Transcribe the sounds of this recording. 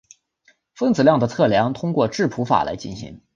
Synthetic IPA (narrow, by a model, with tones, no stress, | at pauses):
fɤ˥ŋt͡sɹ̩˨˩ljɑ˥˩ŋd̪ə˩t͡sʰɤ˥˩ljɑ˧˥ŋt̪ʰʊ˥ŋkwɔ˥˧ʈ͡ʂɻ̩˥˩pʰu˧˥fa̰˨˩la˧˥ɪt͡ɕi˥˩nɕḭ˧˥ŋ